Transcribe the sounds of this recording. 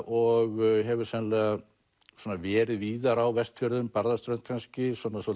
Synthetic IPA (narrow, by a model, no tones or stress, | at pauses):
ɔɣɦɛvʏɾ̥sɛnlɛa | swɔːnavɛːɾɪðviːðaɾawvɛst̪fœɾðʏmpaɾðast̪ɾœnt̪̚kʰanscɪsɔnːasɔ